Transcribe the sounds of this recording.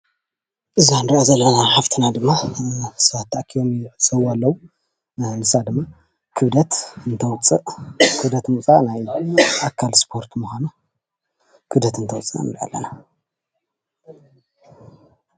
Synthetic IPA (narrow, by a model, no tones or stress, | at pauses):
ʔɨzianɾiʔozɐlːɐnaħaft̪ʰɨnad̪ɨmːasat̪ʰːaʔkʰijomʕɨt͡sʼɐwalːɐwu | nɨsad̪ɨmːa | kʰɨβd̪ɐt̪ɨnt̪ʰɐwt͡sʼɨʔkʰɨβd̪ɐt̪mut͡sʼanajʔakʰːalspʰo̞ɾt̪muxʷanu | kʰɨβd̪ɐt̪ɨnt̪ʰɐwt͡sʼɨna̰nd̪ʔa̰lːɐ̰na